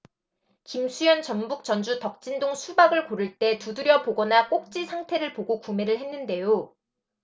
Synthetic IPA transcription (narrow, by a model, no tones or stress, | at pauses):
kimsʰujʌnt͡ɕʌnbuk̚t͡ɕ͈ʌnd͡ʑutʌk̚t͡ɕ͈indoŋsʰubaɡɯɭkoɾɯɭt͈e̞tuduɾjʌpoɡʌnak͈ok̚t͡ɕ͈isʰaŋtʰe̞ɾɯɭpoɡokume̞ɾɯɭɦe̞nːɯnde̞jo